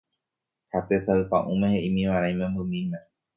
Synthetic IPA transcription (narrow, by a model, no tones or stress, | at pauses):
hat̪esaɨpãʔũmẽheʔĩmĩʋaɾãj̃mẽmbɨmĩmẽ